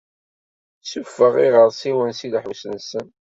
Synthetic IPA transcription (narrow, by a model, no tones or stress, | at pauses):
sufːəʁiʁəɾˤsiwənsilħusənsən